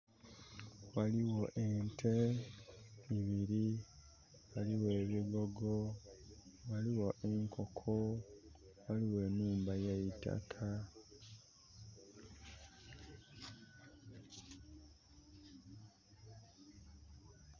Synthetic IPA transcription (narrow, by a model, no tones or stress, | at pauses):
waliwo̞ʔentʰe | iβiɾi | waliwe̞ːβiɡo̞ɡo | waliwo̞ʔe̞ŋkʰokʰo | waliwe̞ːnːuːmbajeita̰kʰa